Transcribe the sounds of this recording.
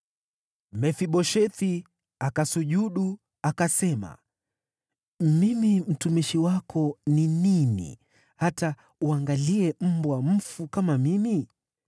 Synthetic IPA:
mɛfiɓɔʃɛθi | akasuʄuɗu | akasɛma̰ | mimim̩tumiʃiwakʰɔnininḭ | hata | uaŋɡaliɛm̩bwam̩fukamamimi

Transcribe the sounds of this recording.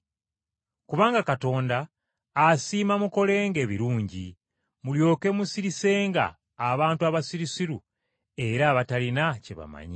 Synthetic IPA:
kuβaːŋɡakato̞ːndaː | siːmamuko̞le̞ːŋɡe̞ːβiɾuːɲɟḭ | muljo̞ːke̞musiɾise̞ːŋɡa̰ː | βaːntuaβasiɾisiɾu | e̞ɾaːβatalinaceβa̰ma̰ɲḭ

